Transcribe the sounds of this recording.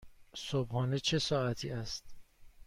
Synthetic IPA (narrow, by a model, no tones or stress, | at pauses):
sobhɒːnet͡ʃʰe̞sɒːæt̪ʰiːæst̪